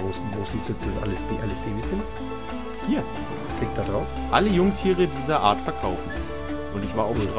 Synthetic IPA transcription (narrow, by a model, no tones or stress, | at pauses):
voːsn̩voːz̥iːstd̥uːjɛt͡sd̥assʔaləsb̥ʔaləsb̥eːbɪçz̥ɪn | hiːɐ | kʰl̥ɪk̚d̥adʁaʊf | ʔaləjʊŋtʰiːʁədiːzɐʔa̰ːɐtfɛɐkʰaʊfn̩ | ʔʊntɪçv̥aːɐaʊʃtʁ